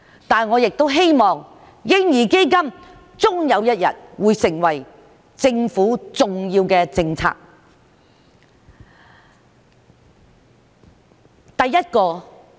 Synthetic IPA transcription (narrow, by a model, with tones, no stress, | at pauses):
t̪aː˨˩nŋɔː˨˧jɪ˨k̚t̪o˥wɦe˥jmɔː˨ŋ | jɪ˥ŋjiː˨˩ke˥jkɐ˥m | t͡sʊ˥ŋjɐ˨˧wjɐ˥t̚jɐ̰˨t̚wuː˨˧jsɪ˨˩ŋwɐ˨˩j | t͡sɪ˧ŋfuː˨˥t͡sʊ˨ŋjiː˧wkɛː˧t͡sɪ˧ŋt͡sʰa̰ː˧k̚ | t̪ɐ˨jːɐ˥t̚kɔː˧